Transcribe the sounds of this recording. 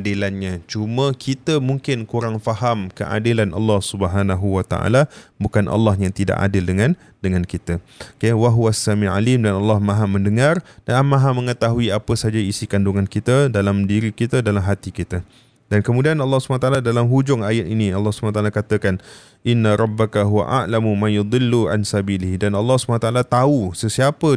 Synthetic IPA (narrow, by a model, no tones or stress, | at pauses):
dilanɲãt͡ʃumə̃kʰit̪əmuŋkɪnkuɾaŋfaɦamkə̰ʔa̰dilanʔɑ̰lːɑhsubəɦanaɦuwat̪a̰ʔa̰labukanʔɑ̰lːɑhjaŋt̪ida̰ʔa̰dɪldəŋãn | dəŋãnkit̪əkewaɦuwasamia̰limdanɑlːɑhmãɦamə̃ndəŋãrd̥anamãɦamə̃ŋət̪aɦuiapəsad͡ʒaisikanduŋankit̪ədalamdiɾikit̪ədalamɦat̪ikit̪ə | dankəmudianɑlːɑhsubanat̪aʔaladalamɦud͡ʒʊŋajat̪iniɑlːɑhsu̥banat̪alakat̪əkan | ʔɪnːaɾˤɑbːakaɦuwa̰ʔa̰ʔlamumãjud̪ˤɪlːuʕa̰nsabilɪhdanɑlːɑhsu̥banat̪aʔalat̪ausəsiapə